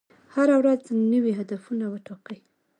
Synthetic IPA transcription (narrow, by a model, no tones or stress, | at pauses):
haɾawɾaznəwiɦad̪afunawəʈoqəj